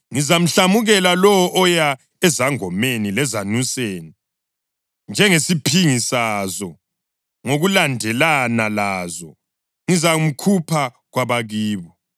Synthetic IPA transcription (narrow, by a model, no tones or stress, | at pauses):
ŋizam̩ɬamuɣɛlalɔwɔʔɔja | ɛzaŋɔmenilɛzanuseːni | nd͡ʒʱɛŋesipʰiŋisazɔ | ŋoɣulandʱɛlanalazɔ | ŋizam̩kʰupʰa | ɣwaβaɣiːβɔ